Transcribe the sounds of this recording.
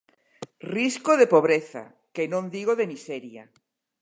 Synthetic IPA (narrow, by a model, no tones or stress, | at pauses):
riskoðepoβ̞ɾeθa̰ | kenõnd̪iɣ̞oðemiseɾja̰